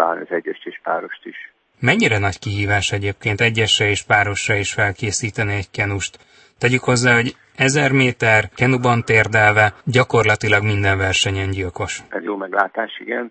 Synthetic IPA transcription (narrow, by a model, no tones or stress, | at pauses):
a̰ːlniɒzɛɟːɛʃeːʃpaːɾoʃt̪iʃ | mɛɲːiɾɛnɒckiɦiːvaːʃɛɟeːp̚keːnt̪ɛɟːɛʃɛeːʃpaːɾo̞ʃrɒiʃfɛlkeːsiːt̪ɛniɛckɛnuʃt̪ | t̪ːɛɟykho̞zːaːɦo̞ɟ | ɛzɛrmeːt̪ɛrkɛnubɒnt̪eːrd̪ɛlvɛɟɒko̞rlɒt̪ilɒɡmind̪ɛɱvɛrʃɛɲɛɲɟilko̞ʃɛzjoːmɛɡla̰ːt̪aːʃḭɡɛn